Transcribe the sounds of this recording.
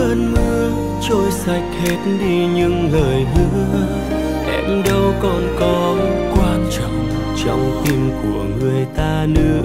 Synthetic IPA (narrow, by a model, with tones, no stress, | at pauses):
ʔəː˧nmɨ˧ə | t͡ɕo˧jsa˨˩jk̟̚he˦˥t̚ɗi˧ɲɨ˧ŋləː˨˩jɦɨ˧˥ə | ʔɛ˧mɗə˧wkɔ˨˩nkɔ˨˦kwaː˧nt͡ɕɔ̰˧˨wŋ͡m | t͡ɕɔ˧wŋ͡mt̪i˧mku˧˩əŋɨ˨˩əjt̪aː˧nɨ̰˧˥ə